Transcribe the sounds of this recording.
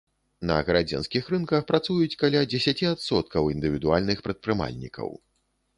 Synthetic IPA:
nɐ̰ɣɐɾad͡zʲɛ̰nskʲixɾɨnkɐxpɾat̪sujut͡sʲkalʲad͡zʲɛsʲat͡sʲiat̪sɔt̪̚kɐwind̪ɨvʲid̪ualʲnɨxpɾɐt̪̚pɾɨma̰lʲnʲḭkʰɐ̰w

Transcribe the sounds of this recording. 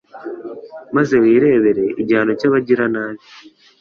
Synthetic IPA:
maze̞wiːɾe̞ːβeɾe̞ʔiɟaːnocaβaɟiɾanaːβi

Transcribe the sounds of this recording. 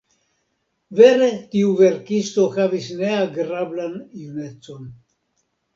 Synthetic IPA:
ve̞ɾe̞tiuve̞ɾkisto̞havisne̞aɡɾablanjune̞t͡so̞n

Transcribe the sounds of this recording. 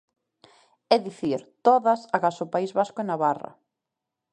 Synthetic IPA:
ɛðiθiɾt̪oðɐsaɣasopaizβaskʊenaβarɐ̰

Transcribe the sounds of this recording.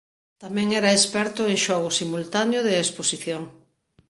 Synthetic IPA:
t̪amɛ̃ŋɛɾaespɛɾt̪ʊeŋʃɔɣ̞ʊsimult̪anjʊðeesposiθjoŋ

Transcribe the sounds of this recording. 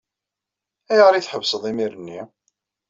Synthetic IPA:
æjʁɾiθħəvːsəðˤimiɾənːi

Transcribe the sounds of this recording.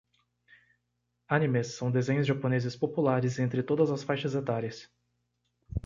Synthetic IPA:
anĩmesːɐ̃w̃d̪ezẽɲ̃ʊzʒaponezɪspopulaɾɪzẽnt̪ɾɪt̪od̪ɐzɐsfajʃɐzet̪aɾjɐs

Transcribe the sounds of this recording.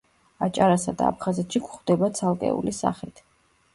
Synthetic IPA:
at͡ʃʼaɾasad̪aap̚ʰχazɛt̪ʰʃikʰʷχd̪ɛbat̪sʰalˠkʼɛ̰ṵlisa̰χit̪ʰ

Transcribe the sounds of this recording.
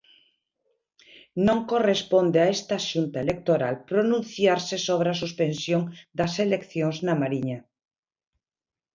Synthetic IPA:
nõŋkorespond̪eaest̪aʃunt̪aelek̚t̪oɾa̰lpɾonũnθjaɾsesoβ̞ɾeasuspensjoŋd̪aselekθjõŋznamaɾiɲa

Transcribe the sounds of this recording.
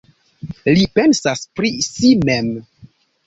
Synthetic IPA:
lipensaspɾisimem

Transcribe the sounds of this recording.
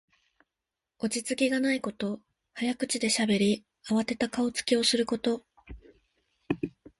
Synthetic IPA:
o̞t͡ɕit͡sɨkʲiɡanaiko̞t̪o̞ | hajakɯ̟t͡ɕid̪e̞ɕabe̞ɾʲi | aβat̪e̞t̪akao̞t͡sɨ̥kʲio̞sɨɾɯ̟ko̞t̪o̞

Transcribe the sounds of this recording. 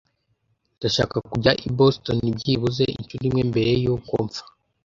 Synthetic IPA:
ndaʃa̰ːkakuɟaʔibostonibɟiβuze̞ḭɲt͡ʃunimŋembe̞ɾe̞joko̰ːɱfḁ

